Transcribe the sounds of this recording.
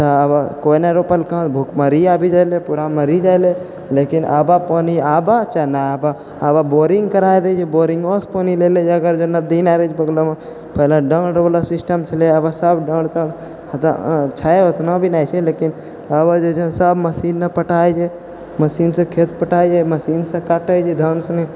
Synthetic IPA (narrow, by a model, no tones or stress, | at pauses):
t̪əbakoineɾopəlkãt̪bʱukməɾiabʱid͡ʒajlepuɾaməɾid͡ʒajle | lekinʔa̰bapɔːniaːbat͡ʃanaaba | ababoɾĩŋɡkəɾaːjd̪ed͡ʒeboɾiŋɡospɔːnileled͡ʒəɡəɾd͡ʒonəd̪inaɾed͡ʒpəɡlome | pəɦlaɖə̃ɽɖlasɪsʈəmt͡ʃʰəleəbasəbɖə̃ɽt̪ə̃ɽ | t̪a̰t͡ʃʰaeot̪ʰnabʱinajt͡ʃʰelekin | əbad͡ʒod͡ʒ̃səbməsiːnːəpəʈaːjd͡ʒe | məsiːnsə̃kʰet̪pəʈaːjd͡ʒaməsiːnsə̃kaʈəd͡ʒed̪ʱənsəne